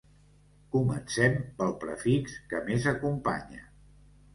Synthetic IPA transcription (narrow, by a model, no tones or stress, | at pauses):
kumə̰nsɛmpəlˠpɾəfikskəmezəkumpa̰ɲə̰